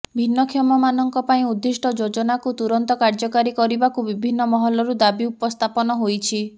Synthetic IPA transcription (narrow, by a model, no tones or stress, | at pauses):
bʱinːɔkʰjɔmɔmanɔŋkɔpaĩud̪ːisʈɔd͡ʒod͡ʒɔnakut̪uɾɔnt̪ɔkaɾd͡ʒɔkaɾikɔɾibakubibʱinːɔmɔɦɔlɔɾud̪abiupɔst̪ʰapɔnɔɦojt͡ʃʰi